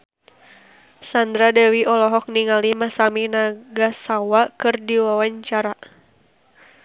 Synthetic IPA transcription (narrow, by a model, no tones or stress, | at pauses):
sand̪ɾadɛwiʔɔlɔɦɔk̚niŋalimasaminaɡasawakɨrdiwawaɲt͡ʃaɾa